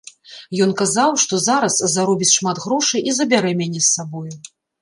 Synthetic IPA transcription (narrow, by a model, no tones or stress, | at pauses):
jɔnkazawʂt̪ɔzaɾɐszaɾɔbʲit͡sʲʂmat̪ɣɾɔʂɨjʔizɐbʲaɾɛmʲanʲɛsːabɔju